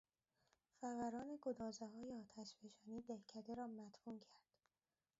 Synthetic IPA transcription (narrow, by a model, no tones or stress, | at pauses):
fæɣæɾɒːne̞ɡod̪ɒːzeɦɒːjeɒːt̪ʰæʃbeʃɒːniːd̪ehcʰæd̪eɾɒːmæt̪buːmcʰæɾd̪̥